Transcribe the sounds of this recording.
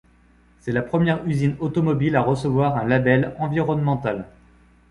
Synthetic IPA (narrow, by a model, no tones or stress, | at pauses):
sɛlapχəmjɛʁyzinot̪ɔmɔbilaʁəsəvwaʁɛ̃labɛlɑ̃viʁɔnmɑ̃t̪al